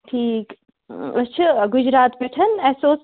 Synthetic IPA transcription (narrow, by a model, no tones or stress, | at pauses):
ʈʰiːk | ɐst͡ʃʰɨɡʊd͡ʒɾaːt̪beʈʰɐnɛːsoːs